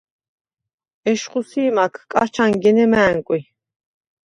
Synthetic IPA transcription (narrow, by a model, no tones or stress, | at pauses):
ɛʃχusiːmakʰkʼaɾt͡ʃʰaŋɡɛnɛmæːŋkʼi